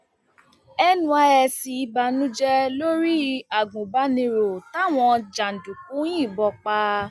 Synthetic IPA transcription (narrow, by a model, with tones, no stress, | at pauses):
ɛ˧nũ˧a˧ɛ˧si˧i˧ba˧nũ˦d͡ʒɛ˦lo˦ɾi˦˧a˨ɡũ˨ba˨˦nĩ˧ɾo˨ta˦˨w̃ɔ̃˧d͡ʒa˨n̩˨dũ˨k̚ũ˨˦j̃ĩ˦˨bɔ˧k͡pa˦˧